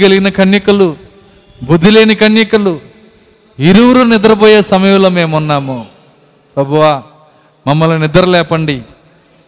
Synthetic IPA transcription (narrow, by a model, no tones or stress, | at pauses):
ɡeliɡinɐkʰɐɳjɐkɐlu | bud̪ʱːile̞ːnikɐɳjɐkɐlu | iɾuwuɾunɪd̪ɐɾɐboːjeːsɐmɐjuloːme̞ːmunːaːmu | pɾɐbʱuʋaː | mɐmːɐlunɪd̪ɐɾɐlɛːpɐɳɖi